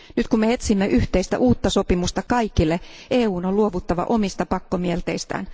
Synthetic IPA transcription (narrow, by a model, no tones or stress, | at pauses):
nyt̪kummeet̪simːeʔyht̪eist̪æ̰ʔuːt̪ːɑso̞pimust̪ɑkɑikilːe | ʔeːuːnoluoʋut̪ːɑʋɑ̰ʔo̞mist̪ɑpɑkːomielt̪ḛist̪æ̰ːn